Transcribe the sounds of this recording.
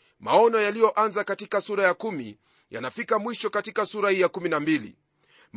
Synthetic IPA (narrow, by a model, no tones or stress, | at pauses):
maɔnɔjalijɔʔanzakatikasuɾajakumḭ | ja̰nafikamwiʃɔkatikasuɾahiːjakuminambilḭ | m